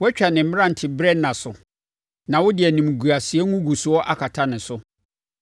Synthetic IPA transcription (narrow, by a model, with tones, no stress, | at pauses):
wɛ˦t͡ɕᶣa˨nɪ̃˨m̩˦m̃˦ã˦n̩˨tʰɪ˨bɾɛ˦nã˨sʊ˨ | nã˨wʊ˦dɪ˨ɛ˨nĩ˨m˨ɡu˨a˨sɪ˨ɛ˦ŋũ˦ɡu˨su˨ɔ˦ʔa˦kʰa˨tʰa˦nɪ̃˨sʊ˦